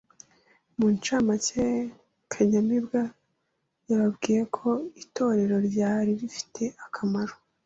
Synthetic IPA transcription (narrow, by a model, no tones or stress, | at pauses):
munt͡ʃamace | kʰaɲamibɡa | jaβabɡiːje̞kʰo̞itʰo̞ːɾe̞ɾo̞ɾɟaːɾiɾifi̥tʰe̞ʔakʰamaɾo